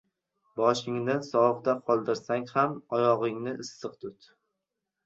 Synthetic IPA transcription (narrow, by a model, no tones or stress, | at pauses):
bɒʃɪŋd̪ansɒqt̪aqʰɒlˠd̪ɪɾsaŋhamɒjɒʁɪŋnɪʔɪsːɨqt̪ʰʊt̪